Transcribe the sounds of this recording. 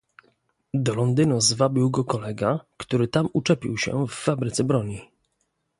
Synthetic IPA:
d̪ɔlɔnd̪ɘnuzvabʲiwɡɔkɔlɛɡakt̪uɾɘt̪amut͡ʂɛpʲḭwɕɛ̰fːabɾɘt̪sɛbɾɔɲi

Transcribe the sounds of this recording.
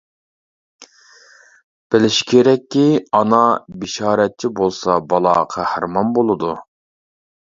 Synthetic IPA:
b̥ɪlɪʃi̥kʲʰeɾɛkʲːiɑnɑbɪʃɑːɾɛt̪̚t͡ʃʰibolˠsɑbɑlˠɑ̰qʰæhɾmɑnbolˠɨd̪u

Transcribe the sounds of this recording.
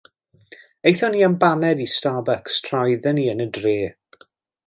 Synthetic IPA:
ejθɔniːanbanɛdistaːbakstʰrajðəniːənədreː

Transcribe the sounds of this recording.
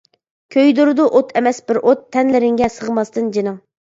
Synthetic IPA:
kʲʰøjd̪uɾɨd̪uʔot̪ʰɛmɛsbɪɾʔot̪ʰːɛnlɪɾɪŋɡʲɛsəʁmɑst̪ɨnd͡ʒinɨŋ

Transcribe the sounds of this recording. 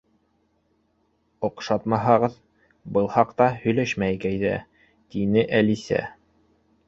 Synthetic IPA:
ŏqʃɑt̪mɑɦɑʁɤð | bɤlˠhɑqt̪ɑhɵ̆jlæʃmæjkæjðæ̰ | t̪inɘʔælisæ̰

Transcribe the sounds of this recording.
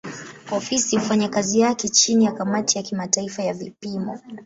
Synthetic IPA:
ɔfisiufaɲakazijakɛt͡ʃinijakamatijakimataifajavipimɔ

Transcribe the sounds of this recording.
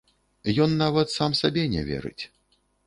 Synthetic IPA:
jɔnːavɐt̪samsabʲɛnʲɛ̰vʲɛ̰ɾɨ̰t͡sʲ

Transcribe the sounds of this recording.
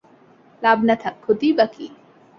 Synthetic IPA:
laːbnɐt̪ʰɐkʰʊt̪ibɐkiː

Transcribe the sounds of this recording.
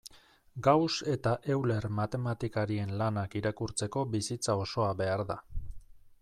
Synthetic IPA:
ɡawse̞t̪aʔe̞wle̞ɾmat̪e̞mat̪ikaɾie̞nlanakiɾakuɾt͡se̞ko̞βisit͡sao̞so̞aβe̞aɾða

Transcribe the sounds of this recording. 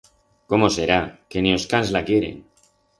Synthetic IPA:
ko̞mo̞se̞ɾake̞nio̞skanzlakje̞ɾe̞̰ŋ

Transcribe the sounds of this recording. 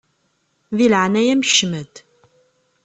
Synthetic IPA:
ðilʕnæjæmʃːməd̪

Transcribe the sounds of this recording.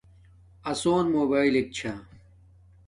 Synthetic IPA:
ɐsoːnmoːbaːilek̚t͡ɕʰa

